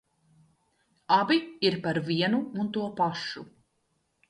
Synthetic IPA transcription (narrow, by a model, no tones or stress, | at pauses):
abiiɾpaɾviɛnuunt̪uɔpaʃu